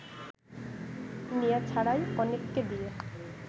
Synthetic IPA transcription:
nijat͡ɕʰaɽajɔnekːed̪ie

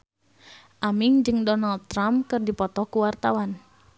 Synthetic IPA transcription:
ʔamiŋd͡ʒɨŋdɔnald̪̚t̪ːɾampkɨrdipɔt̪ɔkuwart̪awan

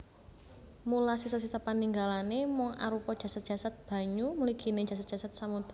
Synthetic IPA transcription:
mulasisas̬isapaniŋɡalanemɔŋa̰ɾupɔd̥ʒ̥a̤sat̪̚ʒ̥a̤sat̪̚b̥a̤ɲumuliɡ̥i̤ned̥ʒ̥a̤s̬at̪̚dʒ̥asat̪̚samut̪

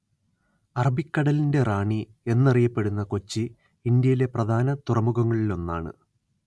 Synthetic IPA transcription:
ɐrɐbikːɐɽɐlinde̞raːɳi | e̞nːɐrijɐpːe̞ɽunːɐko̞t͡ɕːiː | nd̪jɐjile̞prɐd̪ʱaːnɐt̪urɐmuɣɐŋːɐɭilo̞nːaːɳɨ̰

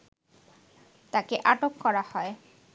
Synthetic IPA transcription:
t̪akeʔaʈokːɔɾahɔe

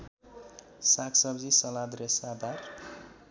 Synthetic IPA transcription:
sakʰsʌbd͡zisʌlad̪ɾesad̪ar

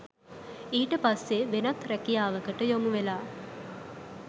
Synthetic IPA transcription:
iːʈəpasːeʋenɐt̪ɾɛkijaːʋəkəʈəjomuʋelaː

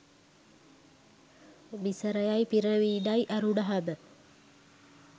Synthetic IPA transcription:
misəɾəjajpiɾəʋiːdajʔaɾuɖaɦabə

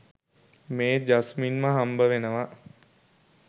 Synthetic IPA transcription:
meːd͡ʒasminməɦambəʋenəʋa

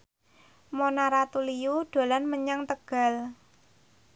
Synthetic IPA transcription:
monaɾat̪ulijuɖ̪̥o̤lanməɲaŋt̪əɡ̥a̤l

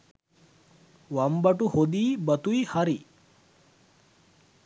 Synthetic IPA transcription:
ʋɐmbɐʈuhod̪iːbɐt̪ujhɐɾi

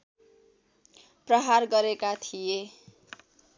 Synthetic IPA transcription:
prʌɦarɡʌɾekat̪ʰije

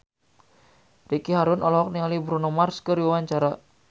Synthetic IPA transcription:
dikiɦaɾʊnɔlɔɔk̚niŋalibɾunomarskəɾiwewaɲt͡ʃaɾa

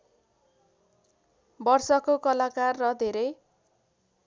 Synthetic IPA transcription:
bʌrsʌkokʌlakarːʌd̪ʱeɾʌj

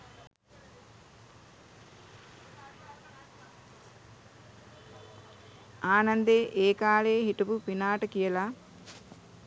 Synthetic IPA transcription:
aːnand̪eːʔeːkaːɭeːɦiʈubupinaːʈəkijəla

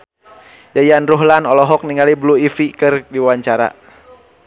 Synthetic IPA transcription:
jajanruɦlanɔlɔɦɔk̚niŋalibluifikɨrdiwaɲt͡ʃaɾa̰

